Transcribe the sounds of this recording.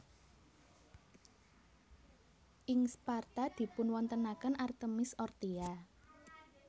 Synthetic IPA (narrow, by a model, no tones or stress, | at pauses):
ʔɪŋspart̪ad̪̥i̤pʊnwɔnt̪ənakənart̪əmɪsɔrt̪ia